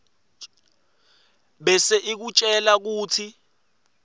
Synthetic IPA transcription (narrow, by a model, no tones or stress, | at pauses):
ɓɛseʔik̬ut͡ʃʼɛlak̬uːtʰi